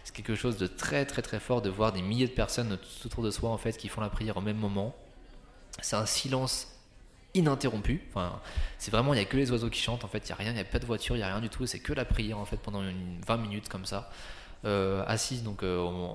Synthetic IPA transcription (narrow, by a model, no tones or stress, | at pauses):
sɛ̥kʲɛlkəʃozd̪ət̪χɛt̪χɛt̪χɛfɔʁd̪əvwaʁd̪emiljed̪əpɛʁsɔnt̪u̥u̥t̪ot̪uʁd̪əswaɑ̃fɛt̪kʲifɔ̃lapχijɛʁomɛmːɔmɑ̃ | sɛt̪ɛ̃silɑ̃s | inɛ̃t̪eʁɔ̃pyɑ̃fɛ̰̃sɛvʁɛmɑ̃iljakəlezwazokʲi̥ʃɑ̃t̪ɑ̃fɛt̪ja̰ʁjɛ̃japad̪əvwat̪yʁjaʁjɛ̃d̪yt̪ʰuesɛkəlapχijɛʁɑ̃fɛt̪̚pɑ̃d̪ɑ̃ynvɛ̃minyt̪kɔmsa | øa̰sis̬d̪ɔ̃køõ